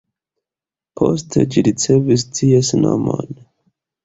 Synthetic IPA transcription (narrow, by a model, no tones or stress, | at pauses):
pʰostʰed͡ʒiɾit͡se̞vistʰiesnomo̰n